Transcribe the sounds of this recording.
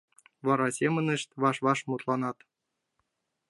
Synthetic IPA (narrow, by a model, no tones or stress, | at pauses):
vɑɾɑsʲemɘ̆nɘ̆ʃt̪ʲβɑʃβɑʃmut̪lˠɑnɑt̪